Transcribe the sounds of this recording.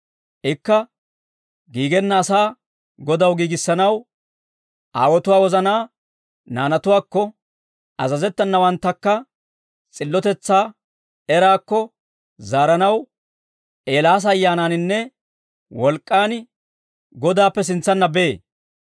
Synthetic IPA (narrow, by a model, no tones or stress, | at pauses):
ʔɪkːɐ | ɡiːɡɛnːɐːsaː | ɡɔd̪ɐwɡiːɡɪsːɐnɐw | ʔa̰ːwɔt̪ʊwaːwɔzɐnaː | naːnɐt̪ʊwaːkːɔ | ʔɐzɐzɛt̪ːɐnːɐwɐnt̪ːɐkːɐ | t͡sʼɪlːɔt̪ɛt͡sːaː | ɛɾaːkːɔ | zaːɾɐnɐw | ʔeːlaːs̬ɐːjːaːnaːnɪnːɛ | wɔlkʼːaːn | ɡɔd̪aːpːɛs̬ɪnt͡sːɐnːɐbeː